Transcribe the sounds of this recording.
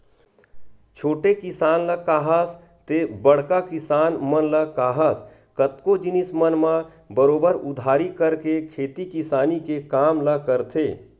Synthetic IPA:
t͡ʃʰoːʈekɪsaːnləkaːɦəs | t̪ebəɽ̤kakɪsaːnmənləkaːɦəs | kət̪kod͡ʒɪnɪsmənmã | bəɾoːbəɾʊd̪ʱaːɾikəɾkekʰeːt̪ikɪsaːnikekaːmlakəɾt̪ʰeː

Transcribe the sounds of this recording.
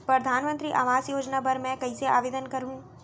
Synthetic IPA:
pɾɐd̪ʱaːnmə̃nt̪ɾiʔaʋaːzjoːd͡ʒnabɐɾmɛ̃kɐĩseaːʋeːd̪ənkɐɾɦũː

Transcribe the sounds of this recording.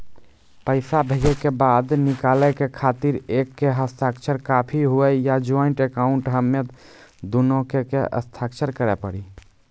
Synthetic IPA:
pəɪsabʱed͡ʒɛkebad̪nikalɛkekʰat̪iɾekːeɦəst̪ʰakt͡ʃʰəɾkapʰiɦuɛjad͡ʒoiɳʈekaʊɳʈɦəmet̪ | d̪unokekeə̰st̪ʰakt͡ʃʰəɾkəɾɛpə̰ɽi

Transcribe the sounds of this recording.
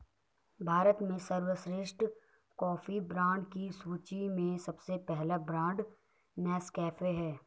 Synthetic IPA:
bʱaːɾət̪mẽsɐɾwəsɾɪʃʈ | kɔːfibɾãːɳɖkisuːt͡ʃimẽsɐbsepɛɦlabɾãːɳɖ | nɛːskɛːfeɦɛː

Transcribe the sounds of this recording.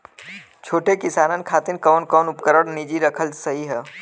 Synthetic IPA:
t͡ʃʰoːʈekɪsaːnənkʰaːt̪ɪnkɔːnkɔːnʊpkəɾəɽnid͡ʒiɾɐkʰəlsɐɦiɦɛː

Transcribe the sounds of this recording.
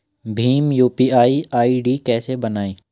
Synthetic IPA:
bʱiːmjuːpiːaːiaːiɖikɛːsebɐnaːiː

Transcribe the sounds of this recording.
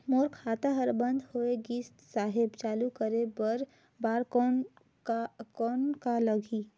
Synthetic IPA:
moːɾkʰaːt̪aɦəɾbə̃nd̪ʱhoːeɡiːst̪saːɦɪbt͡ʃaːlukəɾebəɾ | baːɾk | kɔːnkaləɡʱiː

